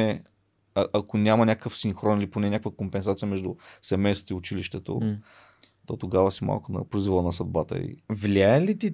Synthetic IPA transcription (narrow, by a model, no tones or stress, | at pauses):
ɛ | ɐʔɐkonʲamɐnʲakkəfsiŋxɾɔniliponɛnʲakəvəkompɛnsat̪sijəmɛʒd̪ʊsɛmɛjst̪t̪oiʊt͡ʃiliʃt̪ɛt̪o̰ | t̪ot̪oɡavəsima̰lˠkʊnɐ̰pɾoizvəlˠənɐsɐd̪̚bat̪ə̰ḭvlʲiaəlit̪i